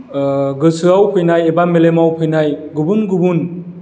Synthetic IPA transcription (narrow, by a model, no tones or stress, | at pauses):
ɡɯsʰɯawpʰɯjnajebamelemawpʰɯjnajɡubɯnɡubun